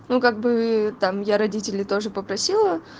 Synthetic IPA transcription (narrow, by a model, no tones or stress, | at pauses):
nukaɡ̚bɨt̪amjaɾɐdʲitʲɪlʲɪt̪o̞ʐɨpəpɾɐsʲilˠə